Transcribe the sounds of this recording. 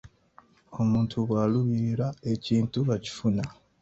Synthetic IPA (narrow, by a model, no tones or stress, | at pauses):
o̞muːntʰuβwaːluβiɾiɾae̞ciːntuβaci̥funa